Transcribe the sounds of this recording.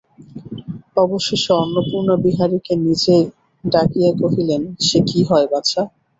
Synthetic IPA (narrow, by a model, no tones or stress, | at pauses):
ɔboʃːeʃoɔnːopuɾnobiɦaɾikenid͡ʑe | ɖakijakoɦilenʃekiɦɔebat͡ɕʰa